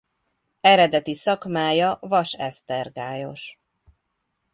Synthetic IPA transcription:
ɛɾɛd̪ɛt̪isɒkmaːjɒvɒʃɛst̪ɛrɡaːjo̞̰ʃ

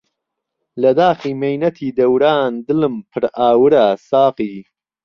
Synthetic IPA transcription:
lɐd̪aːxiːmejnɐt̪ʰiːd̪ɐwɾaːnd̪ɨlɨmpʰɨɾaːwɾasaːqiː

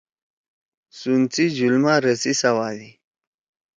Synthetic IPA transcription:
sunt͡sid͡ʑulmaɾəsisawaːdi

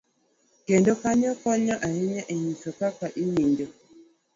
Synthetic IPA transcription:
kendokaɲɔkɔɲaʔajɛɲaʔiɲisɔkakaʔiɲindo

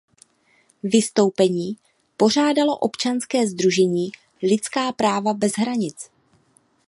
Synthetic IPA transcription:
vɪst̪o̞wpɛɲiː | po̞r̝aːdalo̞ʔo̞pt͡ʃanskɛːzd̪ɾuʒɛɲiː | lɪt͡skaːpɾaːvabɛzɦɾaɲɪt͡s

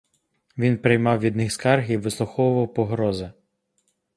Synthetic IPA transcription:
ʋʲinpɾɪjmɑwʋʲid̪nɪxskɑrxiʋɪslˠʊxɔwʊʋɐwpɔɦɾɔzɪ

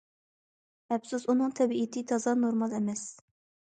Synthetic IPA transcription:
ɛpsuzunɨŋt̪ʰɛbiit̪ʰɪt̪ʰɑzɑnoɾmɑlˠɛmɛs

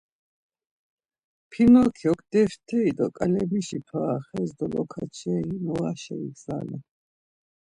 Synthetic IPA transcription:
pʰinɔkʰiɔkʰd̪ɛft̪ʰɛid̪ɔkʼalɛmiʃipʰaχɛzd̪ɔlɔ̰kʰat͡ʃʰɛimɔaʃɛḭɡsa̰lɛ

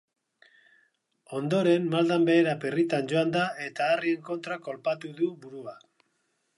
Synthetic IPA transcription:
o̞nd̪o̞ɾe̞nmald̪ambe̞ːɾaperit̪and͡ʒo̞and̪ae̞t̪aːrie̞ŋko̞nt̪ɾako̞lpat̪uðuβuɾua

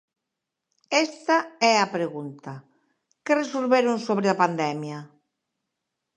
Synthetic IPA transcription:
ɛst̪aɛɐpɾeɣunt̪ɐ | keresolβeɾonsoβ̞ɾɪapand̪ɛmja

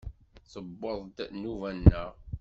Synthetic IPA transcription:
θəbːəðˤd̪nuvænːəʁ

